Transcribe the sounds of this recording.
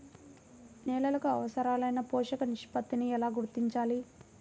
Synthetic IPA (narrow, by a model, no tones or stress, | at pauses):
nɛːlɐlɐkuɐ̰ʋɐsɐɾaːlɐjnɐpɔːʂɐkɐniʂpɐt̪ːiniɛlaːɡuɾt̪iɲt͡ʃaːli